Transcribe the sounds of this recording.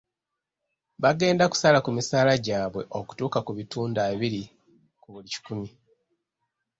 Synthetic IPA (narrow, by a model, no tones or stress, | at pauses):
βaɡe̞ːndaku̥salakumisaːlaɟaːβwe̞̰ʔo̞ku̥tuːkakuβituːndaːβiɾi | kuβulici̥kumi